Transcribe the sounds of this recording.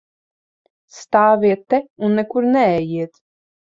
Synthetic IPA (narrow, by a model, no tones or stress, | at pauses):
st̪aːvʲiɛt̪ːɛunːɛkuɾnɛɛjiɛt̪